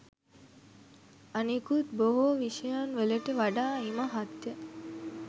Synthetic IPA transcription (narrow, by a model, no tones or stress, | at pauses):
anikut̪boɦoʋiʃɐjanʋeleʈəʋaɖaːiməɦat̪ːje